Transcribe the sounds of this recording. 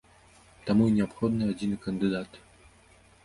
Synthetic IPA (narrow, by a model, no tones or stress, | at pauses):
t̪amuinʲɛapxɔd̪nɨad͡zʲinɨkɐnd̪ɨd̪at̪